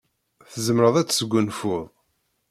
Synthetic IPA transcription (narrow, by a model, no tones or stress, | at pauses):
θəzəmɾəðˤæt͡sːsəɡʷːʊnfʊðˤ